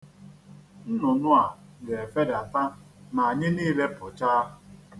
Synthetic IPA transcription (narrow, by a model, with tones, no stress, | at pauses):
n̩˦nʊ˨nʊ˦a˨ɡe˨fe˦da˨ta˦na˨a˨ɲɪ˦niː˦le˦pʊ˨t͡ʃa˦˨